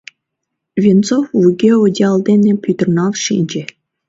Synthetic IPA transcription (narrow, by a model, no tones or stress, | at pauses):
vʲint͡sofvuɡʲeodʲɑld̪enʲepʲyt̪ə̆rnɑlʃinʲd͡ʑĕ